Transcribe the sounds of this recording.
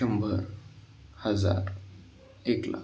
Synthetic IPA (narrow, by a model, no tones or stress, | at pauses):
əmbʱəɾ | həd͡za̰ɾ | ekla̰